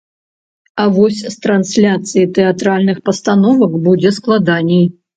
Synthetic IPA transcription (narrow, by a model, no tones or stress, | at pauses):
avɔsʲst̪ɾansʲlʲat̪sɨjit̪ɛat̪ɾalʲnɨxpɐst̪anɔvɐkbud͡zʲɛsklˠad̪anʲɛj